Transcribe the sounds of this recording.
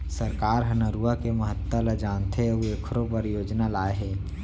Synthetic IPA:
səɾkaːɾɦənəɾuakeməɦət̪ːələd͡ʒaːnt̪ʰeueːkʰɾõpəɾjoːd͡ʒnalaːeɦɛː

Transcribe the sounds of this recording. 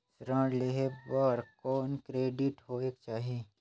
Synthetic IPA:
sɾə̃ːɽleɦebɔːɾkɔːnkɾeːɖɪʈɦoeːkt͡ʃaːɦie

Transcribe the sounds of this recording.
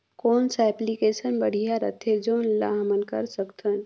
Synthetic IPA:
koːnsɛplikesənbəɽ̤ijaɾə̰t̪ʰed͡ʒoːnla̰ɦmənkə̰ɾsəkt̪ʰən

